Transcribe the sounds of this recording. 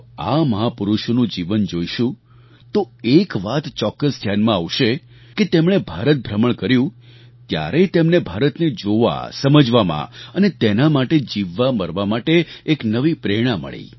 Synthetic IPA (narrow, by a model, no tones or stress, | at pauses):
aməɦapuɾuʃonũd͡ʒiʋənd͡ʒoiʃũ | t̪oekʋat̪t͡ʃɔkːəsd̪ʱjanmãaʋʃe | ket̪emɽ̃ebʱaɾət̪̚bʱɾəməɳkəɾjũ | t̪ja̰ɾet̪emnebʱaɾət̪ned͡ʒoʋa̰səməd͡ʒʋamã̰ənet̪enamaʈed͡ʒiʋːaməɾʋamaʈeːknəʋipɾeɽ̃ãmə̰ɭḭ